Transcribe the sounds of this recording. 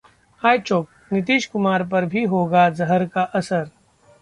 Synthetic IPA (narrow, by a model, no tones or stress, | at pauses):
aːjt͡ʃoːk̚ | nɪt̪iːʃkʊmaːɾp̬ɐɾbʱiɦoːɡazɐɦəɾkaʔɐsəɾ